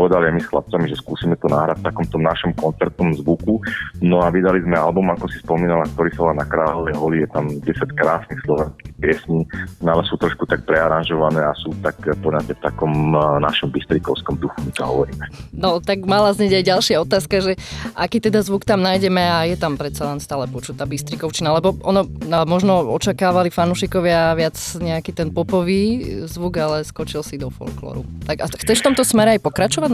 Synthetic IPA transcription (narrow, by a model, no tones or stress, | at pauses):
ʋɛd̪aliajmisxlap̚t͡samiʒɛskuːsiːmɛt̪ɔnaːɦɾacft̪akɔmt̪ɔmnaʃɔmkɔnt͡sɛɾt̪̚nɔmzʋukunɔaʋid̪alizmɛalbumakɔsi̥spɔmiːnalak̚t̪ɔɾiːsalanakɾaːlɔʋɛjɦɔlijɛt̪amɟɛsackɾaːsnixslɔʋɛnskixpɪɛsɲialɛsuːt̪ɾɔʃkut̪ak̚pɾɛaɾanʒɔʋanɛːasuːt̪akpɔɲatɛft̪akɔmna̰ʃɔmbist̪ɾikɔʊskɔmd̪uxumit̪ɔɦɔ̰ʋɔɾiːmɛnɔt̪aɡmalazɲɛɟajɟalˠʃɪaɔt̪aːskaʒɛʔakiːt̪ɛd̪azʋukt̪amnajɟɛmɛajɛt̪ampɾɛt̪salɛnst̪aːlɛpɔt͡ʃut̪aːbist̪ɾikɔʊt͡ʃinalɛbɔʔɔnɔnamɔʒnɔɔt͡ʃakaːʋalifanuːʃikɔʋɪaʋɪad͡zɲɛakiːt̪ɛnpɔpɔʋiːzʋuɡalɛskɔt͡ʃilsid̪ɔfɔ̰lklɔ̰ɾut̪aɡaxt͡sɛʃft̪ɔmt̪ɔsmɛɾɛajpɔkɾat͡ʃɔʋaɟ